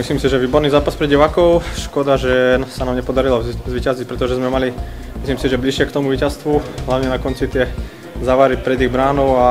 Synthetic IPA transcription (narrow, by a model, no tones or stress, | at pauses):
misliːmsiʒɛʋiːbɔɾniːzaːpaspɾɛɟiʋaːkɔʊʃkɔd̪aʒɛsanaːmɲɛpɔd̪aɾilɔzʋicazic̚pɾɛt̪ɔʒɛzmɛmali | misliːmsiʒɛbliʃɪɛkt̪ɔmuʋiːcast̪ʋuɦlaʊɲɛnakɔnt͡sit̪ɪɛ | zaʋaɾipɾɛd̪iɣbɾaːnɔʊa